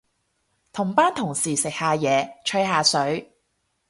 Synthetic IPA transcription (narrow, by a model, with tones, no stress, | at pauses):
t̪ʰʊ˨˩ŋpaː˥nt̪ʰʊ˨˩ŋsiː˨˩sɪ˨k̚haː˨˧jɛː˨˧t͡ʃʰɵ˧˥ɥhaː˨˧sɵ˨˥ɥ